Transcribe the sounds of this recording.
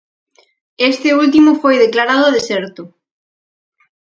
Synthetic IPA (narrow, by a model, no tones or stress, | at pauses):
est̪ɪult̪imʊfojðeklaɾaðʊðeseɾt̪ʊ